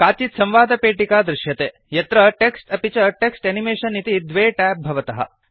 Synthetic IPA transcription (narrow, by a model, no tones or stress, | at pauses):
kaːt͡ʃit̪sɐ̃mʋaːd̪ɐpeːʈikaːd̪ɾɪʃjɐt̪eː | jɐt̪ɾɐʈeksʈɐpit͡ʃɐʈeksʈɐnimeːʃɐnːit̪id̪ʋeːʈæːp̚bʱɐʋɐt̪ɐɦɐ̰